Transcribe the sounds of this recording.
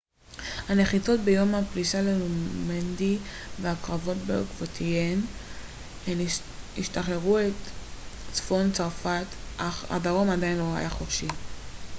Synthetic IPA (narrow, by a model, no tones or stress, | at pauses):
hane̞χit͡so̞tbe̞jo̞mapliʃalelumendi | veakʁavo̞tbeokvotʰien | em | ḭʃtaχeʁuet̪ | t͡sfo̞nt͡saʁfat̪ʔaχa̰daʁo̞madainlo̞ha̰jaχofʃi